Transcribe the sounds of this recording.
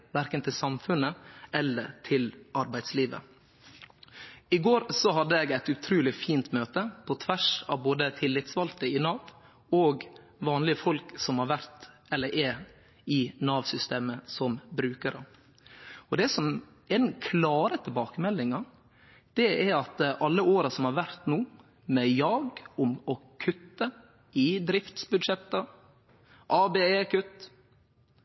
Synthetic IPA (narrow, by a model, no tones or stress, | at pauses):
ʋæɾkənt̪ʰɪlsɑmfʉnːəʔɛlːə̰ɾt̪ʰɪlɑɾbæɪd̪sliːʋə̰ | ɪɡoːɾsɔɦɑd̪ːəɛɡæɪt̪ʉt̪ʰɾʉːlɪfiːnt̪møːt̪əpʰɔt̪ʰʋæʂɑ̰ʋboːd̪ət̪ʰɪlːɪt̪sʋɑlt̪əɪnɑːʋ | ɔɡ | ʋɑːnlɪəfɔlksɔmhɑɾʋæɾt̪ | ɛlːəɾʔɛ | ɪnɑːʋsʏst̪eːməsɔmbɾʉːkəɾə | ɔd̪ɛsɔm | ɛd̪ɛnkʰlɑːɾət̪ʰɪlbɑːkəmɛlːɪŋɑ | d̪̥ɛɛɾɑt̪ʔɑlːəoːɾɑsɔmhɑɾʋæɾt̪nuː | mɛjɑːɡʊmɔkʰʉt̪ːə | ɪd̪ɾɪft̪sbʉd̪ʂɛt̪ːə | ʔɑːbeːeːkʰʉt̪ː